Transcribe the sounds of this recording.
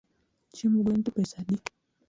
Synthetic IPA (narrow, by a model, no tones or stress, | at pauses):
t͡ʃimuɡʷwɛnt̪upɛsaɗi